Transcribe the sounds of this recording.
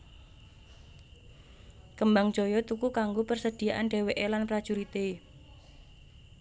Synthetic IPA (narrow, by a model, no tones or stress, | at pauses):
kəmbaŋ̥ʒ̥ɔ̤jɔt̪ukukaŋɡopərsəd̪̥i̤jaʔanɖɛ̤weʔelanpɾḁʒ̥uɾit̪e